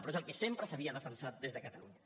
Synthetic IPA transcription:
pɾɔezəlˠkəsempɾəsaβ̞iəð̞əfənsat̪̚d̪ezðəkət̪aluɲɲə

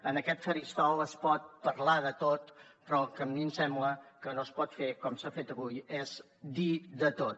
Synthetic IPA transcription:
ənəkɛt̪fəɾist̪ɔwəspɔt̪̚pəɾlaðət̪ot̪ | pɾɔlˠkəmːimsɛmbləkənoəspɔt̪fekɔmsafet̪əβujez̥ | d̪iðət̪ot̪̚

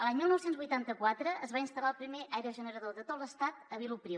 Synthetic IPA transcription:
əlaɲmilˠnɔwsenzβujt̪ant̪əkwat̪ɾəːzβainst̪əlaəlˠpɾimeʔajɾəʒənəɾaðod̪ət̪oləst̪at̪əβilupɾi

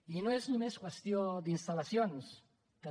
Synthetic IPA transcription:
inoeznumeskwest̪jod̪inst̪alasjons | ke

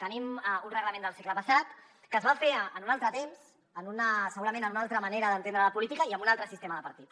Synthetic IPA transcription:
t̪ənimunrəɣləmend̪əlˠsekləpəsat̪ | kəzβafeənunalˠt̪ɾət̪emz̥ | ənunəsəɣuɾəmẽnənunalˠt̪ɾəməneɾəðənt̪enɾələpulit̪ikəiəmbunalˠt̪ɾəsist̪eməðəpəɾt̪it̪

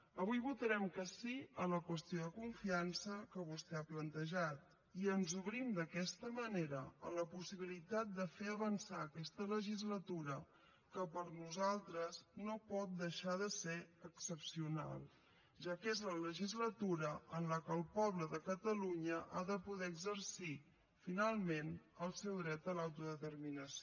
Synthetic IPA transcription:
əβujβut̪əɾɛmkəsiələkwəst̪ioðəkuɱfiansəkəβust̪ɛaplənt̪əʒat̪̚ | iənzuβɾimd̪əkɛst̪əməneɾəələpusiβ̞ilit̪at̪̚d̪əfeəβənsaəkɛst̪ələʒizlət̪uɾə | kəpəɾnuzalˠt̪ɾəznopɔt̪̚d̪əʃaðəseəksəpsiuna̰lˠ | ʒakezlələʒizlət̪uɾəənləkəːlˠpɔβləðəkət̪əluɲəʔaðəpuðɛəɡzərsi | finalˠmenəlˠsɛwðɾɛt̪əlawt̪uðət̪ərminəs

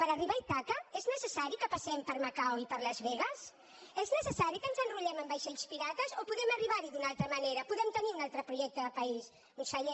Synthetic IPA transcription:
pɐɾariβajt̪akɐɛznəsəsaɾjukɐpasɛmpɐɾmɐkawipɐɾlɐzβɛɣɐs | ɛznəsəsaɾjikənzɐnruʎɛmɐ̃mbajʃeʎuspiɾat̪ɐzopuðɛmɐriβaɾiðunalt̪ɾɐmɐnejɾɐpuðɛmt̪ɐniɾunalt̪ɾɐpɾuʒɛk̚t̪ɐðɐpɐis | ũsaʎɛ

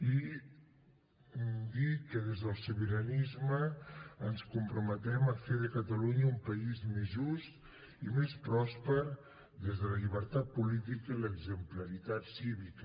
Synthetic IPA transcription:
i | d̪ikəðezðəlˠsuβəɾənizməənskumpɾumət̪ɛməfeðəkət̪əluɲəumpəizmezʒust̪ | imespɾɔspəɾ | ðezðələʎiβəɾt̪at̪̚pulit̪ikəiləɡzəmpləɾit̪at̪siβikə

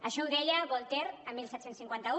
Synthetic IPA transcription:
əʃɔuðɛʎaβolˠt̪eɾəmːilsɛt̪sensiŋkwant̪ɐu

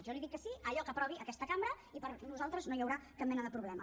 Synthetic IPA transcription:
ʒɔnliðikːəsiəʎɔkəpɾɔβ̞iʔəkɛst̪əkambɾə | ipəɾnuzalˠt̪ɾəznojəwɾakap̚mɛnəðəpɾuβlɛmə

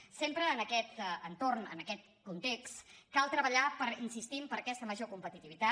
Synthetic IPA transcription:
sempɾəːnəkɛt̪ənt̪ornə̰nəkɛt̪ | kunt̪ekst̪kalˠt̪ɾəβəʎapəɾinsist̪impəɾəkɛst̪əməʒokumpət̪it̪iβit̪a

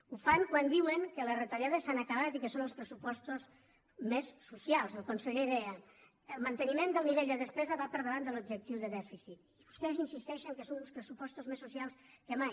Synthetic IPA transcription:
ufaŋkwand̪iwəŋkələrət̪aljað̞əsanəkəβat̪ikəsonəlˠspɾəsupɔst̪uz | mesːusialˠzəlˠkonsəʎeiðeə | əlˠmənt̪ənimend̪əlˠniβeʎd̪əðəspɾɛzəβapəɾðəβand̪əlub̚ʒək̚t̪iwðəðɛfisit̪iβust̪ɛzinsist̪ɛʃəŋkəsonulspɾəsupɔst̪uzmesusialˠskəmaj

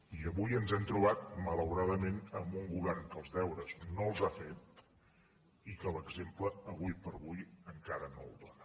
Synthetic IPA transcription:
iəβujənzɛmt̪ɾuβ̞at̪̚mələwɾaðəmenəmbuŋɡuβɛrŋkəlˠzðɛwɾəznolˠzafet̪̚ | ikələɡzempləːβujpəɾβujəŋkaɾənolˠd̪ɔnə

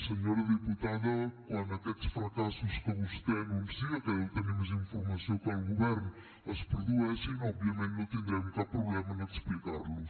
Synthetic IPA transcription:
sɨɲoɾɐðɨput̪aðɐkwɐ̃nd̪ɐt̪ɛk̪fɾɐkasuʃkõm̃ust̪ɛnumsiɐt̪ɛewt̪ɐɲemuzĩfuɾmɐsɐ̃w̃kɐ̃uɣuβɛɾnu | ɐspuɾðuɛsẽɔbviɐmẽnt̪nɐ̃w̃t̪ẽnd̪ɾɛmukapɾuβlˠɛmɐnɐd̪ɨʃplikaɾlu

